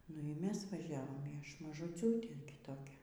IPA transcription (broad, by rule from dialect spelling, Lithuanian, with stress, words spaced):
ˈnʊ iː ˈmʲɛs ʋɐˈʒʲæːʋoːm iː ˈɐʃ mɐʒʊˈt͡sʲuːtʲeː ɡʲɪ ˈtoːkʲɛ